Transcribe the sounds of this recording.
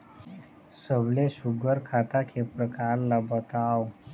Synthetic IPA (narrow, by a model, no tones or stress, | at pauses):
səblesuɡəɾkʰat̪akʰepɾəkaɾlabət̪ao